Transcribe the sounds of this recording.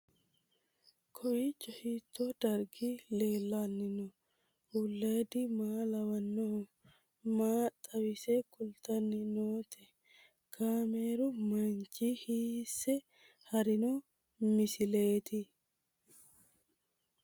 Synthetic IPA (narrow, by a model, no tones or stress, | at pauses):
kʰɔjɪt͡ʃːɔhiːt̪ʰːoːd̪ɐɾɡile̞ːlːaːnːɪnɔ | ʊlːeːd̪ɪmaːlɐwɐnːo | maːt̪ʼːɐwɪsekʊlt̪ɐnːɪnoːt̪ʰɛ | kʰaːmeːɾʊmɐnt͡ʃʼiːhiːsːɛ | hɐɾɪnu | mɪsɪle̞ːt̪ɪ